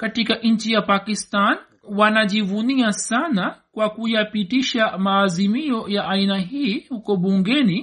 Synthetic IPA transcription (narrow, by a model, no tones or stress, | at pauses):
katikaʔɲ̩t͡ʃijapakistan | wanaʄivuniasanakwakujapitiʃamaːzimiɔjaʔainaɦiːhukɔɓuŋɡɛni